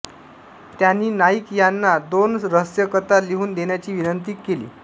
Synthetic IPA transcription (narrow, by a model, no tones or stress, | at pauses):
t̪janːiːnaikjanːad̪onɾəɦsjəkət̪aliɦuːnd̪enjat͡ɕiːʋinənt̪̬ikːelḭː